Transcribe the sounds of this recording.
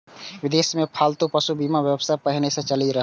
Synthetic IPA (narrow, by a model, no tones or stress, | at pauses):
ʋɪd̪eːsmẽpʰalt̪upəsubimaʋjəbsapəɦnesẽt͡ʃəliɾəɦ